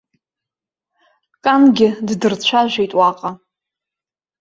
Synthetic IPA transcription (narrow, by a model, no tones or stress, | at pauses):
kʼanɡʲɪddɨrt͡ɕʷʰaʒʷejtʼwaqʼa